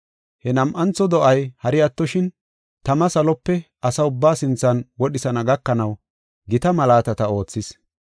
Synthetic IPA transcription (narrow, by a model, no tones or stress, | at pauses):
hɛnɐmʔɐnt͡sːɔd̪ɔʔɐjhɐɾɪɐt̪ːɔʃɪn | t̪ɐmɐsɐlɔpːɛʔɐsɐʊbːaːsɪnt͡sːɐnwɔɗɪsɐnɐɡɐkːɐnɐw | ɡɪt̪ɐmɐlaːt̪ɐt̪ɐo̞ːt͡sːɪs